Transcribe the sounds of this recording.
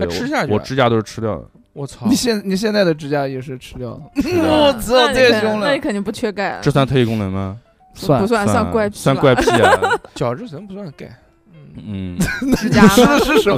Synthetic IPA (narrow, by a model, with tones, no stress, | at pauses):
ʈ͡ʂʰɻ̩˥ɕja˥˧˩wɔ˨˩˨ʈ͡ʂɻ̩˥t͡ɕja˥t̪o˥ʊʂɻ̩˥˩ʈ͡ʂʰɻ̩˥jɑ˥˩ʊə̰˩ | wɔ˧˩t͡sʰni˨˩ɕjɛ˥˧nni˨˩ɕ̬jɛ˥˧nt͡sa˥˩ɪd̪ə˩ʈ͡ʂɻ̩˥t͡ɕja˥jɛ˨˩ʂɻ̩˥˩ʈ͡ʂʰɻ̩˥t̪jɑ˥˩ʊlə˩u˥˩t͡sə˥t̪jɛ˥˩ɕʊ˥˧˥ŋləa˥˩i˥kʰə˩ni˥˧pu˧˩t͡ɕʰɥɛ˥ka˥˩ɪʈ͡ʂɤ˥˧swa˥˧nt̪ʰe˥˧i˧kʊ˥ŋnə˧˥nmɐ˧ | a˧pu˧˥swa˥˧sswa˥˧nkwa˥˧ɪpʰswa˥˧nkwa˥˧ɪi˥t͡ɕjɑ˨˩ʊʈ͡ʂɻ̩˥˧sə˧˥npu˧˥swa˥˩nka˥˩ɪ˥˩ | n̩˥˩˥ɻ̩˥˧ʂɻ̩˥˩ʂə˧˥